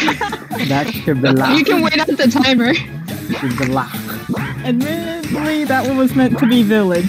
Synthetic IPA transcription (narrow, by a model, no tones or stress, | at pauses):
ðɨtʃɨd̚bilajɨkɨ̃nweɪɾʌt̪̚ðɨtʰãɪ̃mə˞ | ðʃɨd̚bilak | ɨd̚mɪɾətˡliðəʔ̚wʌ̃wʌzmɛ̃ntʰɨbivɪlˠɪd